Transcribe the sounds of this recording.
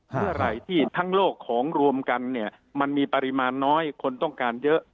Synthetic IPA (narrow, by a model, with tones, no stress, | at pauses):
mɯ˥˩ɐɾa˨˩jt̪ʰiː˥˩t̪ʰa˦˥ŋloː˥˩kʰːɔː˩˦ŋɾu˧əmka˧nːi˥˩ɐ | ma˧nmiː˧pa˧ɾi˦˥maː˧nːɔː˦˥jkʰo˧nt̪ɔ˥˩ŋkaː˧njɤ˦˥ʔ